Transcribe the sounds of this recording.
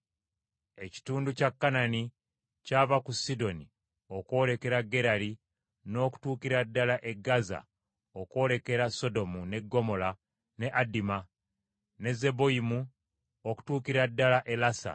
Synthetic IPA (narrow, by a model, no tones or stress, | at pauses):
e̞ci̥tuːnducakːanani | caːvakusido̞ni | o̞kwo̞le̞ke̞ɾaɡe̞ɾali | no̞ːku̥tuːkiɾadːalaʔe̞ɡaza̰ | oko̞le̞ke̞ɾaso̞do̞mune̞ɡːo̞mo̞la | ne̞ʔadima | ne̞ze̞bo̞imu | oku̥tuːkiɾadːalaʔe̞lasa̰